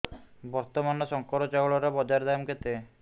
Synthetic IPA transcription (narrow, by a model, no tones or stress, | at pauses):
bɔɾt̪ɔmanɔsɔŋkɔɾɔt͡ʃaɔɭɔɾabɔd͡ʒaɾd̪amket̪e